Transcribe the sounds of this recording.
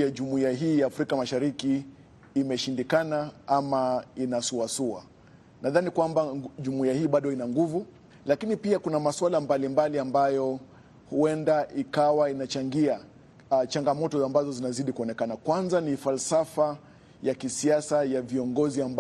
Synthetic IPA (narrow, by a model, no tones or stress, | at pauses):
aʄumuiaɦiːjaːfɾikamaʃaɾikiː | mɛʃindikanaamainasuasua̰ | naðanikwambaʄumuiahiːɓaɗɔinaŋɡuvu | lakinipiakunamaswalambalimbaliambajɔ | huɛndaʔikawainat͡ʃaŋɡia | t͡ʃaŋɡamɔtɔambazɔzinaziɗikuɔnɛkanakwanzanifalsafa | jakisiasajaviɔŋɡɔziamb